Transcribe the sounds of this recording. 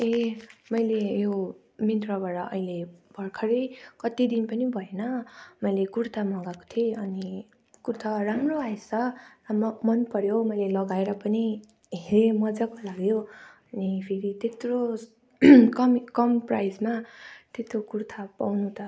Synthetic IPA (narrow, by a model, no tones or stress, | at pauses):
emʌjlejo | mit̪rʌbaɾʌʌ̰ileb̥ʱʌrkʰʌɾejkʌt̪id̪inpʌnibʱʌenʌmʌjlekurt̪ʰamʌɡako̥t̪ʰieʌni | kuɾt̪ʰaramroajsa | mʌnpʌɾjomʌjlelʌɡaeɾʌpʌni | ɦeɾemʌd͡zakolaɡjoʌnipʰeɾit̪et̪ro | kʌmkʌmprajd͡zmat̪et̪okurt̪ʰapawnut̪ʰʌ